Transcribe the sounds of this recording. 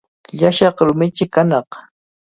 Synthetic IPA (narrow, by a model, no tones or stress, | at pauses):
ʎaʃɑχɾʊmɪt͡ʃɪkanɑq